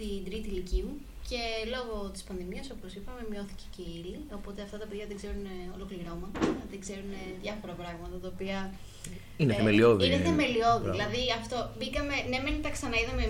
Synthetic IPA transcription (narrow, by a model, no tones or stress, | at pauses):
t̪ind̪ɾit̪ilicimu | ce̞lo̞ɣo̞t̪i̥spɐnðimiɐso̞po̞sipɐme̞mɲo̞θi̥ce̥ceilio̞po̞t̪eɐft̪ɐt̪ɐpe̞ðʝɐðeɡze̞ɾuneo̞lo̞kliɾo̞mɐt̪ɐðeɡze̞ɾune̞ðʝɐfo̞ɾɐpɾɐɣmɐt̪ɐt̪ɐopiɐ | ineθemelio̞ðineθeme̞lio̞ðiðilɐðiɐft̪o̞bikɐme̞nemenit̪ɐksɐnɐiðɐme